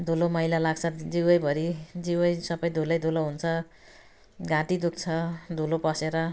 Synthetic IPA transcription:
d̪ʱulomʌjlalaɡt͡sʰʌd͡ziwʌjbʱʌɾid͡ziwʌjsʌbʌjd̪ʱulʌjd̪ʱuloɦunt͡sʰʌ | ɡãʈid̪uk̚ʰt͡sʰʌd̪ʱulopʌseɾʌ

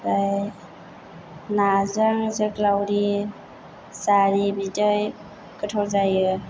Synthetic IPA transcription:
ɾaj | nazaŋzɯklawɾi | saɾibidɔj | kɯtʰɔlzajɯ

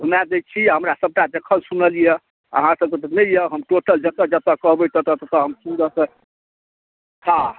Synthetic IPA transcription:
ɦunad̪ett͡ʃʰiɦəmɾasəb̚ʈad̪ekʰəsunəlije | ə̰ɦãsəb̚ket̪ənəjəɦəmʈoʈəld͡ʒət̪əd͡ʒət̪əkəɦbət̪ət̪ət̪ət̪əɦəmsund̪ət̪ə | hã

